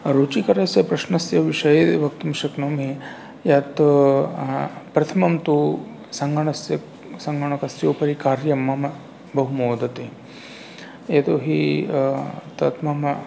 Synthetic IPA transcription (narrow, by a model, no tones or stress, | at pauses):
ɾut͡ʃikɐɾɐsjɐpɾɐʃnɐsjɐʋiʂɐjed̪ʋɐkt̪ɐmʃɐknɐmɦe | jat̪ | pɾɐt̪ʰɐmɐmt̪u | sɐŋɡɐɳɐsjɐ | sɐŋɡɐɳɐkɐsjoːpɐɾikaːɾjɐmːɐmɐ | bɐɦumoːd̪ɐt̪eː | et̪oːɦi | t̪ɐt̪mɐmɐ